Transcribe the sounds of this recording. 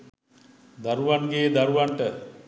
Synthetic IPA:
d̪aɾuʋanɡeːd̪aɾuʋaɳʈə

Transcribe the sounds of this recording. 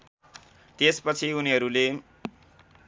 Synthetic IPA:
t̪espʌt͡sʰiuniɦʌɾule

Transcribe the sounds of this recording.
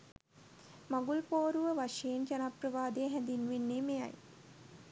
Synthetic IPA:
maɡulpoːɾuʋəʋaʃejend͡ʒanaprəʋaːd̪eɦænd̪inʋenːeːmeja̰j

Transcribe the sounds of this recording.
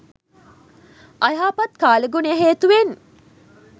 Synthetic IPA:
ʔɐjaːpɐt̪kaːləɡunəəɦeːt̪uʋen

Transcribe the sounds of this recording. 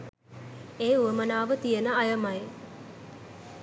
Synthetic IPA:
eːuəmənaːʋət̪ijənəajəmaj

